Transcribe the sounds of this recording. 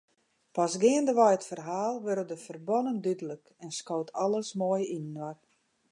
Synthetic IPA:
pasɡɪəndəʋɔjətfərɦaːlˠʋørədəfərbɔnəndydələk | ɛnskoːtʰɔlˠəsmoːjinənʋar

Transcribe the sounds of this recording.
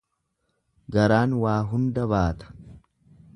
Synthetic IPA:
ɡɐɾaːnwaːɦʊnd̪ɐβaːt̪ɐ̥

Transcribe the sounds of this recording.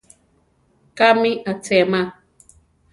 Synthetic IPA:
kamiʔat͡sɛma

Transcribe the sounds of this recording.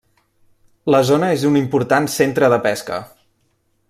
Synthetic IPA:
ləzonəezunimpuɾt̪ansent̪ɾəðəpɛskə̰

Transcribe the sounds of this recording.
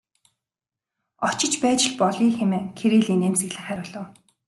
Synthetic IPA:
ɔt͡ɕɪ̆t͡ɕpæːt͡ɕɪ̆ɮpɔɮiːxemeːŋkʰeɾiːɮiːneːmseɣɮɘ̆χæːɾʲʊ̆ːɮɞ̆w

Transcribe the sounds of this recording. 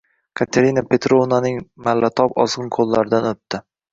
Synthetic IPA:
kʰat̪ʰaɾinapʰe̞t̪ɾovnanɪŋmalːat̪ʰɒpɒ̰zʁɨnqʰolˠːaɾɪd̪anɵt̪ːɪ

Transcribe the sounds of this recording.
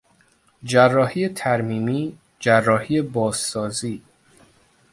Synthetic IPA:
d͡ʒærːɒːhiːjet̪ʰæɾmiːmiː | d͡ʒærːɒːhiːebɒːzsɒːziː

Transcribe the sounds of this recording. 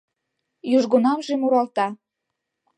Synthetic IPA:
jyʒɣonɑmʒemuɾɑlt̪ɑ

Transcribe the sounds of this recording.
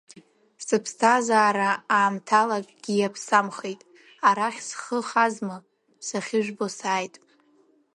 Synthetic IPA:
sɨpʰstʰazaːɾaaːmtʰalakʼɡ̥ʲijapʰsamχe̞jtʼ | aɾaχʲsχəχazmɨ | saχʲɪʒʷᶣbosaːjtʼ

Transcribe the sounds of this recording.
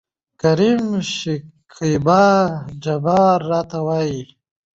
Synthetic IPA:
kaɾimʃikʰibad͡ʒabaːɾːɑːt̪awaji

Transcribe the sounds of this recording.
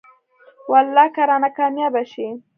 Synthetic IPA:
walːɑkaɾanakɑmjɑbaʃi

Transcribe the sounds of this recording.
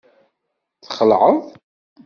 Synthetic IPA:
θχəlʕəðˤ

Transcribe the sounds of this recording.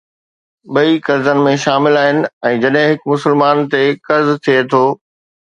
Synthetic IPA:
ɓɐikɐɾzənɪ̆mẽʃaːmɪlaːɦɪnɪ̆ɛ̃ːd͡ʑɐɗɦɪ̃ɦɪkmʊsɪlmaːnt̪ekɐɾzt̪ʰiet̪ʰoː

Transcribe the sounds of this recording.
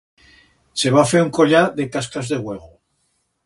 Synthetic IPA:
se̞β̞afeɾuŋkoʎaðekaskazðe̞ɣweɣ̞o

